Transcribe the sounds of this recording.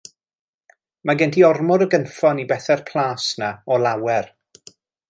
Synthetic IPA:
maɡɛntʰiɔrmʊɾəɡənfɔnibɛθɛrpʰlˠaːsnaɔlˠawɛr

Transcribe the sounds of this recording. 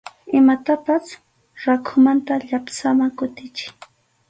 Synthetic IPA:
ɪmat̪apas | ɾakʰʊmant̪aʎapsamakʊt̪ɪt͡ʃɪ̥j

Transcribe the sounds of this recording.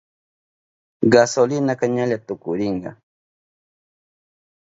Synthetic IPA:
ɢasolɪnakaɲaʎat̪ʊkʊɾɪɴɢɑ̰

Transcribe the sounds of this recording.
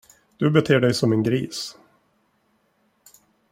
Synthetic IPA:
d̪̥ɵbɛt̪ʰeːɖɛjsɔmɛnɡɾiːs

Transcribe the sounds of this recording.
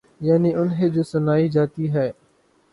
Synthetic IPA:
jaːniʔʊnɦeːd͡ʒoːsʊnaːid͡ʒaːt̪iɦɛː

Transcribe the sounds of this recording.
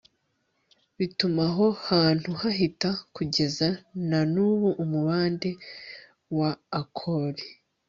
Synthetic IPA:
βitumaɦo̞haːn̥huhaɦitakuɟe̞zananuːβuʔːmuβaːnde̞ | waːkʰoɾi

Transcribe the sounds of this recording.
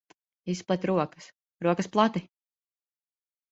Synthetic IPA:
isplˠɛt̪ʲɾuɔkɐ̥s | ɾuɔkɐsplˠat̪i

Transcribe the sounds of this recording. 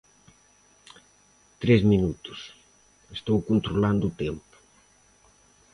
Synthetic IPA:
t̪ɾɛzminut̪u̥s | est̪owkunt̪ɾuland̪uːt̪empu̥

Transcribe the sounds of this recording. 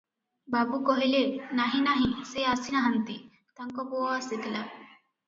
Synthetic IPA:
babukɔɦilenaɦĩnaɦĩseasinaɦant̪i | t̪aŋkɔpowɔaset̪ila

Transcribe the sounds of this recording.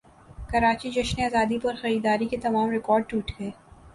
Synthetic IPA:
kɐɾaːt͡ʃid͡ʒɐʃneaːzaːd̪ipɐɾxɐɾiːd̪aːɾiket̪ɐmaːmɾɪkɔːɾɖ̚ʈuːʈɡɐeː

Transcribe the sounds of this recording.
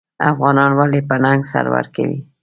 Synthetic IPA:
afɣɑnɑnwalepənaŋɡsa̰ɾwa̰ɾkawi

